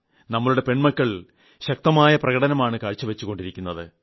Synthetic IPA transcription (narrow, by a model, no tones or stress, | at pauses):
nɐmːɐɭuɽe̞pe̞ɳmɐkːɐɭ | ɕɐk̚t̪ɐmaːjɐprɐɣɐɽɐnɐmaːɳɨkaːɻt͡ɕːuʋet͡ɕːuɣo̞ɳɖiɾikʲːunːɐðɨ